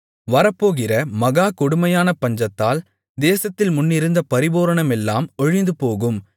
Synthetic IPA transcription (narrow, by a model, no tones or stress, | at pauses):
ʋɐɾɐpːoːɣɪrɐmɐɣaːkʊɽʊmɐjaːnɐpɐɲd͡ʒɐt̪ːaːl | d̪eːsɐt̪ːɪlmʊnːɪɾɯnd̪ɐpɐɾɪboːɾɐɳɐmɛlːaːmɔɻɪnd̪ɯpoːɣɯm